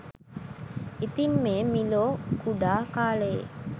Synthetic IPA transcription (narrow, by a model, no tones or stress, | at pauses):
it̪immeːmiloːkuɖaːkaːleḛ